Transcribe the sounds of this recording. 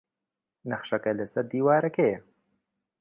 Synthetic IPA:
nɐχʃɐkɐlɐsɐɾd̪iːwaːɾɐke

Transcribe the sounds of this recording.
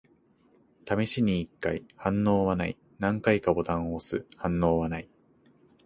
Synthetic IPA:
t̪amʲiɕiɲ̟iːkːaihãnːo̞ːβanai | nãŋkaikabo̞t̪ãɰ̃oːsɨhãnːo̞ːβanai

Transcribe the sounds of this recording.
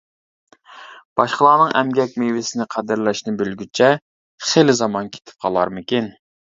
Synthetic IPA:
b̥ɑʃqəlˠɑːnɨŋʔɛmɡʲɛk̚ʲmevɪsɪnɪqʰæd̪ɪɾlɛʃnɪbølɡʲyt͡ʃʰɛ | χelɪzɑmɑnkʲʰe̥t̪ʰɪ̥p̚qʰɑlˠɑ̰ɾmɪkʲin

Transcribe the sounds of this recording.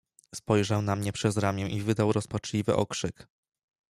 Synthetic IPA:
spɔjʐawnamɲɛpʂɛzɾamʲjɛ̃ʔivɘd̪awɾɔspat͡ʂlʲivɘ̰ʔɔ̰kʂɘk

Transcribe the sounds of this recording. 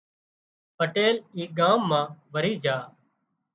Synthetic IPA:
pəʈeːliːɡaːmːãːʋəɾiːd͡ʒʱaː

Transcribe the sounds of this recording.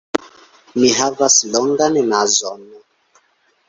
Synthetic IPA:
miɦavasilɔŋɡanɛnazɔnɔ

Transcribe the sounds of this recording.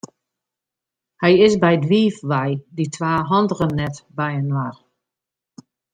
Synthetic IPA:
hɛjɪsbɛjdʋiːfʋajditʰʋaːɦɔndərənːɛtbɛjənʋar

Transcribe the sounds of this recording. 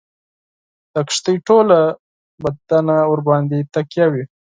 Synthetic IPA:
d̪̥akʂt̪əjʈola | bad̪anaʊɾbɑnd̪it̪akjawi

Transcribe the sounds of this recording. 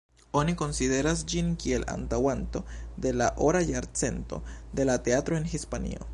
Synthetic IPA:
o̞niko̞nside̞ɾas̬d͡ʒinkie̞la̰ntawanto̞de̞laʔo̞ɾajaɾt͡se̞nto̞̰de̞late̞atɾo̞enɦispanḭo̞̰

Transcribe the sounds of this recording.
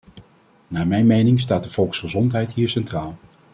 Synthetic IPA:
naːɹmɛjnmejnɪŋs̬taːt̚dəv̥ɔlˠksχəzɔntɦɛjtɦiːɹsɛntraːlˠ

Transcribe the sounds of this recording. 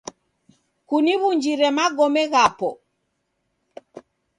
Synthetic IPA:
kuniβuɲd͡ʒiɾɛmaɡɔmɛɣapɔ

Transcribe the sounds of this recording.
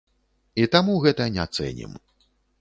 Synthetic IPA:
it̪amuɣɛt̪ɐnʲɛat̪sɛ̰nʲḭm

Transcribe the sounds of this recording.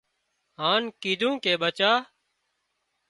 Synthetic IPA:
ɦaːnkiːd̪ʱũːkeːɓət͡ʃaː

